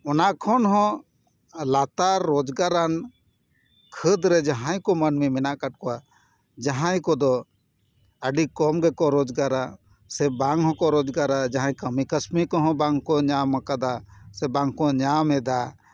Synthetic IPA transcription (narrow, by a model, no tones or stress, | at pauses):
ɔnaʔkʰɔnɦɔ̃ | lat̪aːɔd͡ʒɡaɾan | kʰəd̪ɾɛd͡ʒaɦãjkɔmənmimɛnaʔkaʈ̚kɔa | d͡ʒaɦãjkɔd̪ɔ | əɖikɔmɡɛkɔɾɔd͡ʒɡaɾa | sɛbaŋɦɔ̃kɔɾɔd͡ʒɡaɾad͡ʒaɦãjkəmikəsmikɔɦɔ̃baŋkɔɲamakad̪asɛbaŋkɔɲamɛd̪a